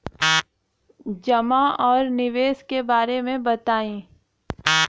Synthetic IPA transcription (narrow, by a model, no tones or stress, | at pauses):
d͡ʒɐmaɔːɾnɪʋeːskebaːɾemẽbɐt̪aːĩː